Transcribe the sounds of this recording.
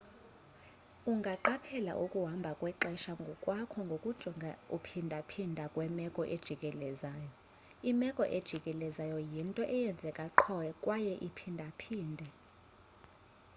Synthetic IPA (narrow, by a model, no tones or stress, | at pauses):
uŋɡʱaǃapʰɛla̰ʔukʼuɦambʱakʼwɛǃɛʃaŋɡʱɔkʼwakʰɔŋɡʱokʼud̥ʒ̥ʱɔŋʱaupʰindʱapʰindʱakʼwɛmɛkʼɔʔed̥ʒ̥ʱikʼɛlɛzaːjɔ | imɛkʼɔʔed̥ʒ̥ʱikʼɛlɛzajɔjintʼɔʔɛjɛnd͡zʱɛkʼaǃʰɔwɛkʼwajɛʔipʰindʱapʰiːndʱɛ